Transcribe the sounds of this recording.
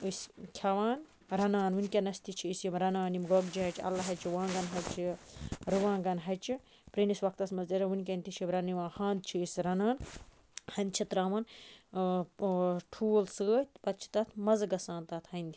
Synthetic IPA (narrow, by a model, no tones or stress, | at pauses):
ɨskʲʰɐʋaːn | ɾɐnaːnʋunʲkʲɐnɐst̪it͡ʃʰiːsjimɾɐnaːnimɡoɡd͡ʒiɦɐt͡ʃʰɐ̰lɐɦɐt͡ʃʰiʋãːɡɐnɦɐt͡ʃʰiɾɨʋãːɡɐnɦɐt͡ʃi | pɾinisʋɐk̚t̪ɐsmɐzɐɾɐʋunʲk̬ʲɐnʲt̪it͡ʃʰibɾɐniʋãːhãːnd̪̚t͡ʃʰiisɾɐnaːn | hɐnʲt͡ʃʰit̪ɾaːmɐn | ʈʰuːlsəːt̪ʲpɐt̪t͡ʃʰi̥t̪ɐt̪ʰmɐzɡɐsãːnt̪ɐt̪ʰhɐnʲd̪ʲi